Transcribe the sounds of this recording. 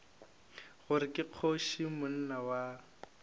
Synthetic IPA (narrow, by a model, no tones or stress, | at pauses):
ɣʊɾɪkʼɪq͡χʰoʃimʊn̩nawa